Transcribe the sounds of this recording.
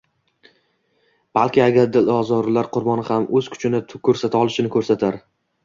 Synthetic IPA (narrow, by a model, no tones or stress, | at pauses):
b̥alˠkʲɪaɡʲaɾd̪ɪlɒzɒɾlaɾqʰʊɾbɒnɪhamʔɵz̥kʰʊ̥t͡ʃʰɪnɪkʰɵɾsat̪ʰaɒlˠɪʃɪnɪkʰɵɾsat̪ʰaɾ